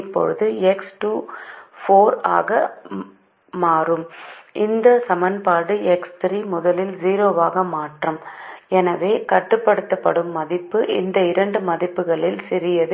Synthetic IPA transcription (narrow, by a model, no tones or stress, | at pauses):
pːɔ̰ɻɯðɯɛksʈuːfoːɾa̰ːɣɐ | maːrɯmʔɪnd̪ɐsɐmɐnpaːɽɯɛkst̪ɾiːmʊðɐlɪlziːɾoːʋaːɣɐmaːʈrɐmɛnɐʋeːkɐʈːɯpːɐɽɯt̪ːɐpːɐɽɯmːɐðɪpːɯʔɪnd̪ɐɪɾɐɳɖɯmɐðɪpːɯɣɐɭɪlsɪɾɪjɐðɯ